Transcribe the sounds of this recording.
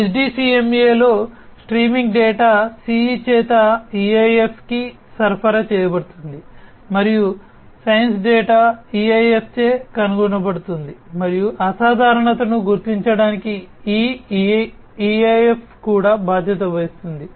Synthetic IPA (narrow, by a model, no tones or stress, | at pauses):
ed͡ʒɖiːsiːemjeːlo̞ːsʈɾiːmiŋɡɖɛːʈaːsiit͡ʃɛːt̪ɐiːejepʰki | sɐɾpʰɐɾɐt͡ʃɛːjɐbɐɽut̪und̪i | mɐɾiju | sɐjɐnsɖɛːʈaːiːejepʰt͡ʃeːkɐnuɡunɐbɐɽut̪und̪imɐɾijuʔɐsaːd̪ʱaːɾɐɳɐt̪ɐnuɡuɾt̪iɲt͡ʃɐɽaːnikiiː | iːejepʰkuːɽaːbaːd̪ʱjɐt̪̬ɐʋɐjust̪und̪i